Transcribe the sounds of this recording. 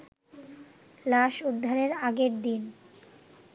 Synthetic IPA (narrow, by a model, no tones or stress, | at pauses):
laʃud̪ʱːaɾeɾaɡeɾd̪in